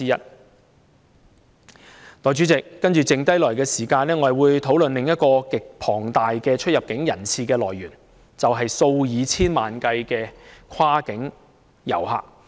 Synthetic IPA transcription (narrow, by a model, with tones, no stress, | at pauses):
iː˥jɐ˥t̚ | t̪ɔː˨˩t͡ʃy˨˥t͡sɪ˨kːɐ˥nt͡ʃyː˨˩t͡sɪ˨ŋt̪ɐ˥jlɔː˨˩jkɛː˧siː˨˩kaː˧nɛː˥ŋɔː˨˧˥wuː˨˧jt̪ʰo˨˥wlɵ˨nlɪ˨ŋjɐ˥t̚kɔː˧kɪ˨k̚pʰɔː˨˩ŋt̪aː˨jkɛː˧t͡ʃʰɵ˥jɐ˨p̚kɪ˨˥ŋjɐ̰˨˩nt͡sʰiː˨˧kɛː˧lɔː˨˩jɥyː˨˩n | t͡sɐ˨wɦɐ˨jso˧wjiː˨˧t͡sʰiː˥nmaː˨nkɐ˧jkɛː˧kʰwaː˥kɪ˨˥ŋ | jɐ̰˨˩wɦa̰ː˨k̚